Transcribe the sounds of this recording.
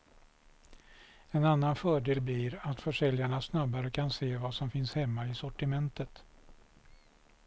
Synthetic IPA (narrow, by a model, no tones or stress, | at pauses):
ɛnanːanfœːɖeːlbliɾat̪fœʂɛljaɳasnabaɾəkʰanseːvasɔmfɪnshɛmːaɪsɔʈɪmɛnt̪ət̪